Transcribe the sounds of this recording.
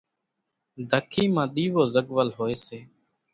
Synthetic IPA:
d̪ʱəkʰiːmãːɗ̪iːʋoːzəɠʋəlɦoːeːseː

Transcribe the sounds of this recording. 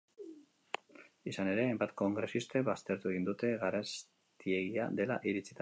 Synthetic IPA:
isane̞ɾe̞ajmbat̪ko̞ŋɡɾe̞sist̪e̞βast̪e̞ɾt̪ue̞ɣind̪ut̪e̞ɣaɾas | t̪ie̞ɣia̰d̪e̞la̰ʔiɾit͡sit̪a

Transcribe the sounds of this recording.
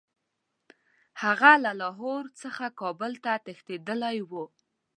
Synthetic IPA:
haɣalalɑɦoɾt͡səxakɑbəlt̪at̪ext̪ed̪əlajwu

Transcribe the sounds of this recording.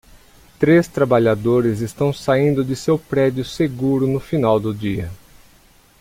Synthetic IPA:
t̪ɾest̪ɾabaʎad̪oɾɪzɪst̪ɐ̃w̃saĩnd̪ʊd͡ʒ̪ɪsewpɾɛd͡ʒʊseɡuɾʊnʊfinawd̪ʊd͡ʒiɐ

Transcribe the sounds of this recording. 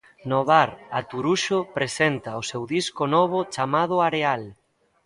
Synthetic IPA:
noβaɾat̪uɾuʃopɾesent̪aosewðiskonɔβ̞ʊt͡ʃamað̞ʊaɾeal

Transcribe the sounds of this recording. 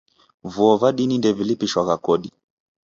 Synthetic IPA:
vuɔvaɗinindɛvilipiʃwaɣakɔɗi

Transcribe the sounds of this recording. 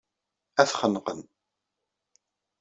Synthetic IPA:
æθχənːqən

